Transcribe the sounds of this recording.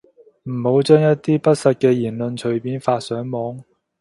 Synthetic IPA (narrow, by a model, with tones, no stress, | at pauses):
m̩˨˩ho˨˥wt͡ʃœː˥ŋjɐ˥t̚t̪iː˥pɐ˥t̚sɐ˧t̚kɛː˧jiː˨˩nlɵ˨˧nt͡ʃʰɵ˨˩ɥpiː˨˥nfaː˧t̚sœː˨˥ŋmɔː˨˥ŋ